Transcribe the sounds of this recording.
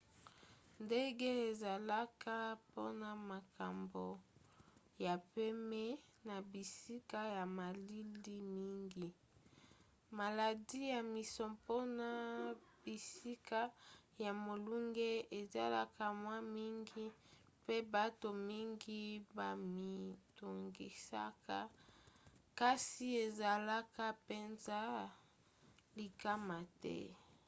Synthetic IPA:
nde˦ɡe˦e˨za˨la˦ka˦po˦na˨ma˨ka˨mbo˨ | ja˨pe˦mɛ˦na˨bi˨si˦ka˦ja˨ma˨li˦li˦mi˦ŋɡi˨ | ma˨la˨di˦ja˨mi˨sɔ˨po˦na˨b̥i˨si˦ka˦ja˨mo˨lu˦ŋɡe˦e˨za̰˦la˦ka˦mwa˦mi˦ŋɡi˦ | pe˦ba˦to˨mi˦ŋɡi˦ba˨mi˨tu˨ŋɡi˨sa̰˦ka˦ | ka˦si˦e˨za˨la˦ka˦pe˦nza˦ | li˨ka˦ma˨tɛ̰˦

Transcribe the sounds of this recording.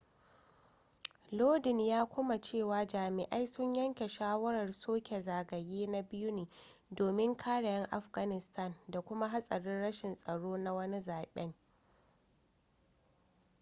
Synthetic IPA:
loː˦dɪ˨njaː˦kʷʊ˦ma˨t͡ʃeː˦˨waː˨d͡ʒaː˨mɪ˨ʔa˦jsʊ˦ɲjɐ˦ŋkʲe˨ʃaː˦wɐ˦ɾɐ˨rsoː˦kʲe˨zaː˨ɡɐ˨jeː˦na˦bɪ˦ju˦neː˨ | doː˨mɪ˦ŋkʰaː˦ɽa˨jɐ˦ŋʔa˨ɸɡa˨nɪ˨stʰa˦˨nda˨kʷʊ˦ma˦ɦa˦sʼɐ˨ɽɪ˦nɽɐ˦ʃɪ˨nsʼɐ˨ɽoː˦na˦wɐ˦ni˦zaː˨ɓɛ˦ŋ

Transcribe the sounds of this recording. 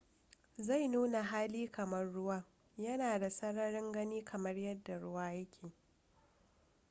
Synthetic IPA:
za˦˨jnuː˦na˨ɦaː˦liː˦kɐ˨mɐ˦rːʊ˦waː˦ | jɐ˦naː˨da˨sɐ˦ɽɐ˦ɽɪ˦ŋɡɐ˦niː˦kʰɐ˨mɐ˦rjɐ˦dːa˨ɽʊ˦waː˦jɐ˦kʲʰeː˨

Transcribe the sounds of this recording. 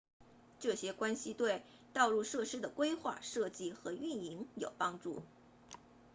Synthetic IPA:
ʈ͡ʂɤ˥˩ɕjɛ˥kwa˥nɕi˧t̪we˥˧ɪ | t̪ɑ˥˧ʊlu˥˧ʂɤ˥˩ʂɻ̩˥d̪ə˨kwe˥ɪxwa̰˥˧ʂɤ˥˧t͡ɕi˥˩xɤ˧˥y˥˩ni˧˥ŋjo˨˩ʊpɑ˥ŋʈ͡ʂu˥˩

